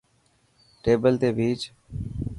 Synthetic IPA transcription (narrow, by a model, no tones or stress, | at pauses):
ʈeːbəlt̪eːbiːt͡ʃ